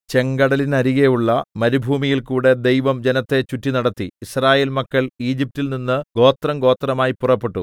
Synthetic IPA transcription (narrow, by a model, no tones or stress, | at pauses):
t͡ɕe̞ŋɡɐɽɐlinɐɾiɣejuɭːɐmɐɾubʱuːmijilkuːɽe̞d̪e̞jʋɐmd͡ʑe̞nɐt̪ːe̞t͡ɕutːinɐɽɐt̪ːiisraːjeːlmɐkːɐɭiːd͡ʑip̚tːilninːɨɡo̞ːt̪rɐmɡo̞ːt̪rɐmaːjipːurɐpːe̞ʈːu